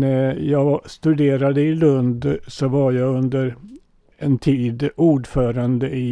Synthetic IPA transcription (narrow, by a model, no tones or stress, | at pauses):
næjɑːɡst̪ɵd̪eːɾad̪əɪlɵnd̪sɔvaɾjɑɡɵnd̪əɾ | ɛnt̪ʰiːd̪uːɖfœːɾand̪əɪ